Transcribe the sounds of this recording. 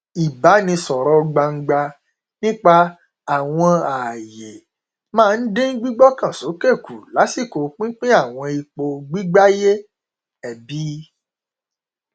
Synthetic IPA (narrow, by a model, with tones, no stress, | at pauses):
i˨ba˨˦nĩ˧sɔ˨ɾɔ˧˦ɡ͡ba˧ŋ̩˦ɡ͡ba˧ | nĩ˦k͡pa˧ | a˨w̃ɔ̃˧a˨je˨ | mãː˦˧n̩˦dẽ˦n̩˦ɡ͡bi˦ɡ͡bɔ˦kã˦˨so˨˦ke˦˨ku˨la˨˦si˦˨ko˨k͡pĩ˦k͡pĩ˦a˦˨w̃ɔ̃˧i˧k͡po˧ɡ͡bi˦ɡ͡ba˦je˦ | ɛ˨bi˨˦